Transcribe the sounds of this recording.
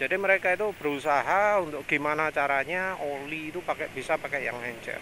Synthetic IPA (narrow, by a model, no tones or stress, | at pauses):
d͡ʒadiməɾekait̪ub̥əɾusaɦaunt̪ʊk̚ɡ̥imanat͡ʃaɾaɲaoliːt̪upakɛbisapakɛʔja̰ŋhɛɲt͡ʃɛ̰r